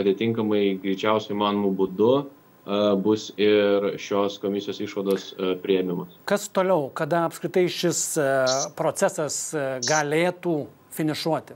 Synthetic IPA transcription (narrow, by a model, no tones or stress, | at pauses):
ɐt̪ʲɪt̪ʲɪŋkɐmɐɪɡɾʲɪːt͡ʃʲɛʊsʲʊiːmɑːnomubud̪ʊ | bʊsɪɾʃʲoːskoːmʲɪsʲɪjoːsɪʃʋɐd̪oːspʲɾʲɪjɛmʲɪmɐskɐst̪oːlʲɛʊkɐd̪ɐɐpskɾʲɪt̪ɐɪʃʲɪspɾoːt͡ssʲæsɐsɡɐlʲeːt̪uː | fʲɪnʲɪʃuɔt̪ʲɪ